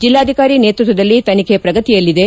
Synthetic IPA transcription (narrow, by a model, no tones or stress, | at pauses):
d͡ʒilːaːd̪ʱikaːɾineːt̪ɾut̪̬ʋɐd̪ɐlːit̪ɐnikʰepɾɐɡɐt̪ijɐlːid̪e̞